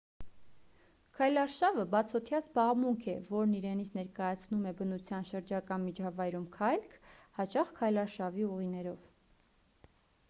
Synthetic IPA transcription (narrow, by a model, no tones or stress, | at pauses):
kʰɑjlɑɾʃɑvəbɑt͡sʰɔt̪ʰjɑzbɑʁmuŋkʰɛvɔɾniɾɛnit͡sʰnɛɾkɑjɑt͡sʰnumɛbənut͡sʰjɑnʃəɾd͡ʒɑkɑnmit͡ʃʰɑvɑjɾumkʰɑjlkʰhɑt͡ʃɑχkʰɑjlɑɾʃɑviuʁinɛɾɔv